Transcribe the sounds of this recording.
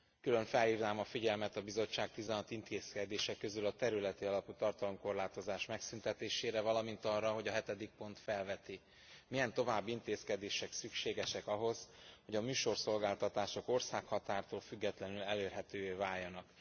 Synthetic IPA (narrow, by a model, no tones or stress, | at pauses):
kylø̞ɱfɛlhiːvnaːmɒfiɟɛlmɛt̪ɒbizo̞t͡ʃːaːk̚t̪izɛnɒt̪int̪ʰeːskɛd̪eːʃɛkːø̞zylɒt̪ɛɾylɛt̪iɒlɒput̪ɒrt̪ɒlo̞mko̞rlaːt̪o̞zaːʃmɛksynt̪ɛt̪eːʃeːɾɛvɒlɒmint̪ɒrːɒɦo̞ɟɒɦɛt̪ɛd̪ik̚po̞nt̪fɛlvɛt̪i | mijɛnt̪o̞vaːbːint̪eːskɛd̪eːʃɛksykʃeːɡɛʃɛkɒɦo̞z̥ho̞ɟɒmyːʃo̞rso̞lɡaːlt̪ɒt̪aːʃo̞ko̞rsaːkhɒt̪aːrt̪oːlfyɡːɛt̪lɛnylɛleːrɦɛt̪øːveːvaːjːɒnɒk